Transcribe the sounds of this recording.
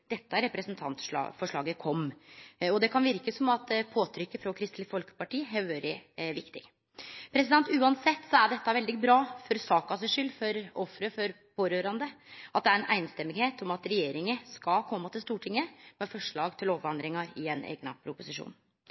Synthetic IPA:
d̪̥ɛt̪ːəæɾɛpɾɛsnt̪ʰɑ̰nt̪ʂɑ̰ːfɔʂɭɑːɡəkʰɔmːɔd̪ɛkʰɑnʋɪɾkəsɔmɑt̪pʰoːt̪ʰɾʏkːəfɾɔkʰɾɪst̪lɪfɔlkə̥pɑʈiːɦɛʋøːɾɪʋɪkt̪ɪ̰ɡ | pʰɾɛs̬ɪd̪ɛnt̪ʉːɑnsɛt̪ːsɔæɖɛt̪ːɑʋɛld̪ɪbɾɑːfɔɾsɑːkɑsəʂʏlːfɔɾɔfɾəfɔɾ | pʰoːɾøːɾɑnd̪əʔɑt̪̚d̪ɛæɾɛnʔæ̰ɪnst̪ɛmːɪɡheːt̪ɔmɑt̪ɾɛjeːɾɪŋəskɑkʰɔmːət̪ɪlst̪uːʈʰɪŋːəmɛfɔʂɭɑːɡt̪ʰɪlɔʋʋɑnd̪ɾɪŋɑɾɪɛnḛːɡnə̰pʰɾʊpʊsɪʂṵːn

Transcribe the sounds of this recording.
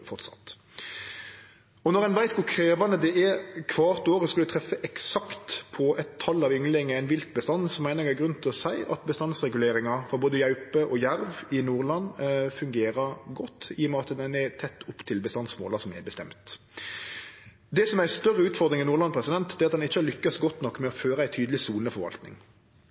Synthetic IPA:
fɔʁt̪sɑ̰t̪ | ɔnɔʁɛnʋæɪt̪ʋʊkʰɾeːʋɑnəd̪ɛʔɛkʰʋɑːʁt̪oːɾəskʉlːt̪ʰʁɛfːəʔɛksɑkt̪pʰɔʔɛt̪ʰːɑlːɑʋʏŋlɪŋəæɪnʋɪlt̪̚bəst̪ɑnːsɔmːæɪnəɾɛæɡʁʉnt̪ʰɪlɔsæɪʔɑt̪bəst̪ɑnsʁɛɡʉleːɾɪŋɑfɔɾboːd̪əjɑʉpəʔɔjæɾʋɪnuːʁlɑnːfʉŋɡeːɾəɾɡɔt̪ːiːɔmɛɑt̪d̪ɛnɛt̪ʰɛt̪ːʊpːt̪ʰɪlbəst̪ɑnsmo̰ːlɑsɔmɛ̰bəst̪ɛ̰mt̪ | d̪ɛsɔmæɪst̪œʁːəʉːt̪fɔʁd̪ɾɪŋɛnuːlɑnpʰɾɛsɪd̪ɛnt̪d̪ɛːɑt̪d̪ɛnɪçːəlʏkːɑsɡɔt̪ːnɔkːmɛɔføːɾəæɪt̪ʰyːd̪lɪsuːnəfɔɾʋɑ̰lt̪nɪ̰ŋ

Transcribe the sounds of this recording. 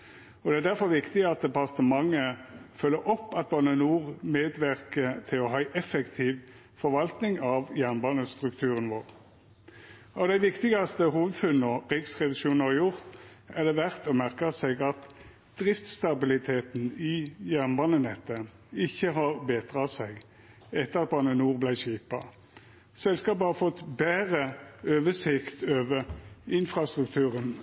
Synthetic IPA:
ɔd̪ɛæd̪æʁfɔʁʋɪkt̪ɪɑt̪̚d̪ɛpɑʁt̪əmɑŋːəfœlːəɾʔɔpːɑt̪̚bɑnənuːʁmeːd̪ʋæʁkət̪ʰɪlɔɦɑʔɛfəkt̪ʰiːʋ | fɔɾʋɑlt̪nɪŋɑʋjæʁnbɑːnəst̪ʁʉkt̪ʰʉːʁənʋoːʁ | ɑʋd̪æɪʋɪkt̪ɪɡɑst̪əhuːʋəd̪fʉnːɔɾiːksʁɛd̪ɪʃuːnəɑjʊʁt̪ | æd̪ɛʋæʁt̪ɔmæʁkɑsɛɡɑt̪ | d̪̥ʁɪft̪st̪ɑbɪlɪt̪ʰeːt̪n̩ɪjæʁnbɑːnənɛt̪ːə | ɪçːəɦɑʁbeːt̪ʁɑsɛɪɡ | ɛt̪ːəʁɑt̪̚bɑːnənuːʁblæɪʃiːpɑ | sɛlskɑːp̬ɑhɑfɔt̪ːbæːʁəøːʋəsɪkt̪øːʋəʁɪnfʁɑst̪ʁʉk̚t̪ʰʉːʁən

